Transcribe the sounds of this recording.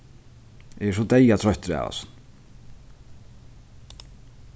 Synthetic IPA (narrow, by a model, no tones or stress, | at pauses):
ɛsɔt̪eːjat̪ʰɾœht̪ʏɾa̰ːva̰sn